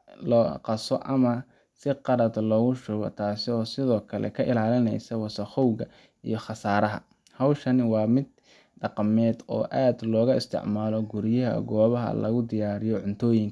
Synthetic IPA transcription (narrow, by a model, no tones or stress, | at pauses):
lɔːqɑsɔ̰ʔɐmɐ | sɪqɑɾɐd̪lɔːɣʊʃʊɣɔ̰t̪ʰaːsɪɔːsɪðɔːkʰɐlɛ̰kʰɐʔɪlaːlɪnɛ̰jsɐwɑsɐχɔwɣɐ | ḭjɞχɑsaːɾɐɦɐ̰ | hɐwʃɐnwɑːmɪd̪̚ | ɖɑqɑmɛːd̪ɔ̰ːʔaːd̪lɔːɣɐɪst̪ʰɪ̰ʕmaːlɔɡʊɾjɐɦɐ̰ɡɔːβɐɦɐ̰lɐ̰ɣʊd̪ɪjaːɾɪjɔʕʊnt̪ʰɔːjɪŋkʰɐ